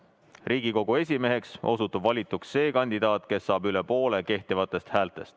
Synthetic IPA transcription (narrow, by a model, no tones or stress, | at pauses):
rʔiːɡ̥iko̞ɡ̥ue̞sʲime̞ɦe̞kso̞sut̪ːˑubvɑlʲit̪ːˑuksːe̞ːkɑnʲd̪id̪̥ɑːt̪ke̞sːɑːbylepo̞ːle̞ke̞ht̪ivɑt̪ːˑe̞st̪hæːlt̪ˑe̞st̪